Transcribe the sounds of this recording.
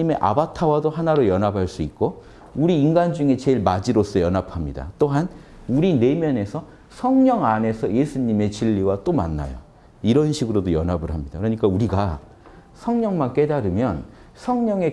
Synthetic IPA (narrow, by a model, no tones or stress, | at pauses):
ime̞ʔa̰batʰawadohanaɾojʌnɦabʱaɭs͈uik̚k͈o | uɾiːnɡand͡ʑuŋe̞t͡ɕe̞ɭmad͡ʑiɾos͈ʰʌjʌnapʰamɲida̰t͈oɦan | uɾine̞mjʌne̞sʰʌ | sʰʌŋɲʌŋane̞sʰʌje̞sʰuɲime̞t͡ɕiʎːiwat͈oma̰nːa̰jo̰ | iɾʌnɕʰiɡɯɾodojʌnabɯɭɦamɲida̰kɯɾʌɲik͈auɾiɡa | sʰʌŋɲʌŋmank͈e̞daɾɯmjʌn | sʰʌŋɲʌŋe̞